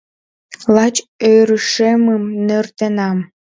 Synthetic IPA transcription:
lɑt͡ɕøjɾəʃeməmnert̪enɑm

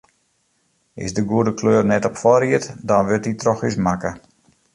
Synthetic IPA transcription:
ɪ̰sdəɡuədəkʰløːrnɛtɔpfɔɾiətdɔnʋøtitrɔxismakə

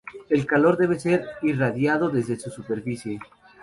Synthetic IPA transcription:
e̞lkalo̞ɾðe̞β̞ese̞ɾiraðjað̞o̞ðe̞zðesusupe̞ɾfisje̞

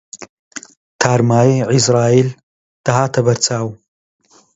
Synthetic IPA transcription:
t̪ʰaːɾmaːiʕizɾaːil | d̪̥aɦaːt̪ʰɐbɐɾt͡sʰaːw

